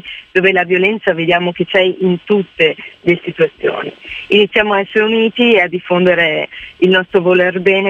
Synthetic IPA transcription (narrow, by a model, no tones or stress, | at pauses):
d̪̥oːvelavjolɛnt̪saved̪jaːmok̟et͡ʃːɛjint̪ut̪ːelesit̪uat̪sːjo̰ːnḭinit̪sjaːmoaɛsːeɾeuniːt̪iead̪ːifːond̪eɾeilnɔst̪ɾovolerbɛːne